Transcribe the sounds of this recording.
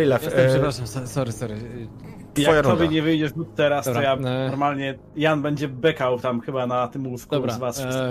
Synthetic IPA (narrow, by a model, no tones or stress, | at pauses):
ijlafʂɛpɾaʂamsɔsɔɾɘsɔɾɨt̪jaɔjaɾɔbjɛɲɛvɘjd͡ʑɛʐj̪ut̪t̪ːɛɾast̪ɔjaɔɾmalɲɛ | janbɛɲd͡ʑɛbɛkawt̪amxɘbanat̪ɘmulfkuzva